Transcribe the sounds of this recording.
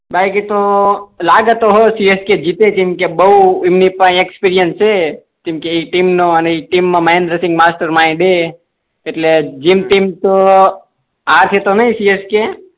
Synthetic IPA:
bajkit̪olaɡət̪oɦosiesked͡ʒit̪et̪imkebəuimnipaĩekspiɾijənst͡ʃe | t̪imkeiʈimnoəneiʈimːãməẽnd̪ɾəsɪ̃ŋɡmasʈəɾmaĩɖeː | ʈled͡ʒimt̪imt̪o | at̪ʰet̪onəɦĩsieske

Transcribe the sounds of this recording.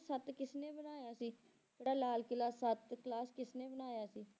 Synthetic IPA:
sət̪kɪsneːbənaːjaːsiː | eɽaːlaːlkɪlaːsət̪klaːskɪsnẽːbənaːjaːsiː

